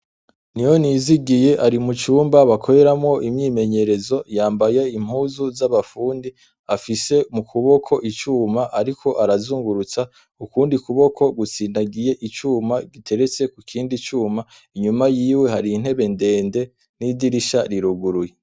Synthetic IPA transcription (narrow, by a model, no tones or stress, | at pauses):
nijoniziɡije̞ʔaɾimut͡ʃuːmbaβakʰo̞ɾe̞ɾamŋo̞ʔimɲiːme̞ɲe̞ɾe̞zo̞jaːmbajeim̥huːzuzaβafuːndi | afise̞mukʰuβo̞kʰo̞ʔit͡ʃuːmaʔaɾikʰo̞ʔaɾazuːŋɡuɾut͡sa | ukuːndikuβo̞kʰo̞ɡut͡sinaɡije̞ʔit͡ʃuːmaɡitʰe̞ɾe̞t͡se̞kukʰiːndit͡ʃuːma | iɲumajiːwe̞ɦaɾiːn̥he̞βe̞nde̞ːnde̞ | nidiɾiʃaɾiɾuɡuɾuje